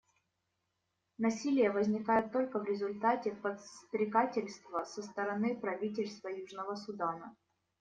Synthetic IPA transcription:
nɐsʲilʲɪjəvəzʲnʲɪkajʊt̪ːo̞lʲkəvɾʲɪzʊlʲt̪atʲɪpət̪st̪ɾʲɪɡatʲɪlʲst̪vəsəst̪əɾɐnɨpɾɐvʲit̬ʲɪlʲst̪vəjuʐnəvəsʊd̪anə

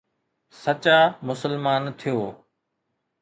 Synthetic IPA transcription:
sət͡ɕaːmʊsəlmaːnt̪ʰijoː

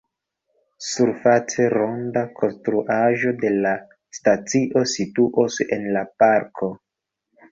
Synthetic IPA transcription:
suɾfat͡se̞ɾo̞ndakʰo̞nstɾuʔaʒo̞de̞la | stat͡siʔo̞situʔose̞̰nlapaɾkʰo̞

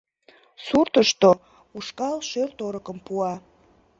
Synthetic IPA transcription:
surt̪əʃt̪o | uʃkɑlʃørt̪oɾəkəmpuɑ

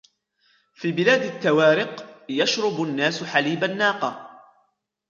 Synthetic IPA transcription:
fiːbɪlaːd̪at̪ːawaːɾɪqjaʃɾˤʊbʊnːaːsħaliːbanːaːqɑː

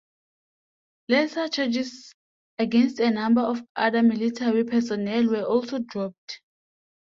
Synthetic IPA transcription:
lɛsat͡ʃʰɛd͡ʒis | aɡɛ̃nstɛnãmbaɔfʔaðamilitʰaɹipʰɛsɔnɛlwɛʔɔlsodɹɔp̚t

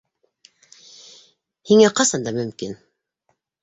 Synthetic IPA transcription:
hiŋæqɑsɑnd̪ɑmɵ̆mkin

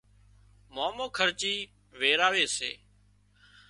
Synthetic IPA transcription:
moːmoːkʰəɾt͡ʃiː | ʋeːɾaːʋeːsḛː

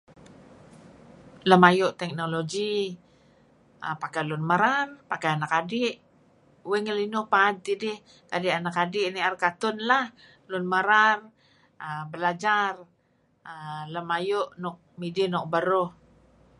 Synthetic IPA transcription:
ləmajʊʔt̪ɛk̚noloɡi | ə̰pakalʊnməɾarpakajanakadɪʔ | wɛŋəlinʊhpaːd̪̚t̪idɪh | kadɪʔanakadɪʔniarkat̪ʊnlah | lʊnməɾar | əbəlad͡ʒar | ələmajʊʔnɔk̚midianɔk̚bəɾo

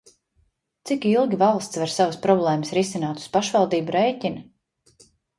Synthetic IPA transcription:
t̪sikilˠɡʲivalˠst̪svaɾsavəspɾɔblˠɛːməsɾisinaːt̪u̥spaʃvalˠd̪iːbuɾejcʲin

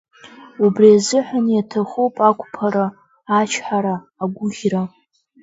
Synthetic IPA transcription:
ubriazɨħʷanjatʰaχopʼakʷʼpʰaɾa | at͡ʃʰħaɾaːɡʷʊʁʲra

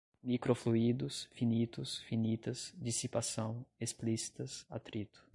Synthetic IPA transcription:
mikɾofluid̪ʊsfinit̪ʊsfinit̪ɐsd͡ʒisipasɐ̃w̃esplisi̥t̪ɐsa̰t̪ɾit̪ʊ̥

